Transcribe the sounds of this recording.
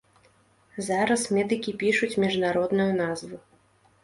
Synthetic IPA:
zaɾɐsmʲɛd̪ɨkʲipʲiʂut͡sʲmʲiʐnaɾɔd̪nujunazvu

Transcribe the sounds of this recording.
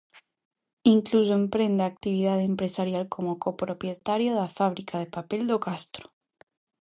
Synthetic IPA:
iŋklus̬oempɾe̞nd̪eak̚t̪iβ̞iðaðempɾesaɾjalkʰomokopɾopjet̪aɾjoðafaβ̞ɾikʰaðepapeld̪okast̪ɾo̥

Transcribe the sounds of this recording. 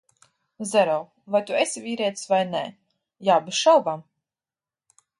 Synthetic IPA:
zɛɾaw | vajt̪uesʲivʲiːɾɛɛt̪svajnɛ̰ | jaːbiʃalˠbam

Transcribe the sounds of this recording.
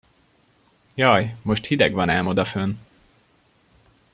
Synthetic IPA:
jɒjmo̞ʃt̪hid̪ɛɡvɒnɛlmod̪ɒføn

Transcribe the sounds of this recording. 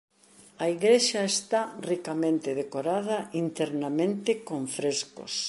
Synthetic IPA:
ɐiɣɾeʃɐest̪arikamẽnt̪ɪð̞ekoɾað̞ɐint̪ɛɾnamẽnt̪ɪkoɱfɾesko̰s

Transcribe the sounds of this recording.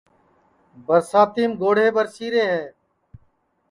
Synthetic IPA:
bəɾsaːt̪iːmɡoːɽ̤eːbəɾsiːɾeːɦɛː

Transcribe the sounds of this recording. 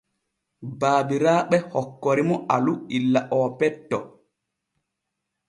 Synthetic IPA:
baːbiɾaːɓɛhɔkːɔɾimɔʔaluilːaʔɔːpɛtːɔ̰

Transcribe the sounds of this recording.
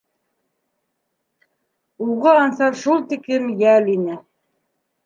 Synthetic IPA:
uʁɤɑnsɑɾʃulˠt̪ikɘmjælinɘ

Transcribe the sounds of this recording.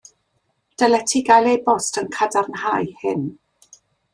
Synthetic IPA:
d̥ɛlɛtʰiɡajlˠejbɔstʰənkʰadarnhajhɪn

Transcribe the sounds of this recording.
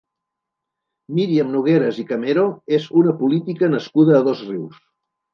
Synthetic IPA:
miɾiəmnuɣ̞eɾəzikəmeɾoezunəpulit̪ikənəskuð̞əːðozriws

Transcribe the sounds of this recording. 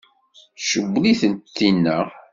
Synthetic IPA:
ʃəɡʷːliθənt̪θːinːæ

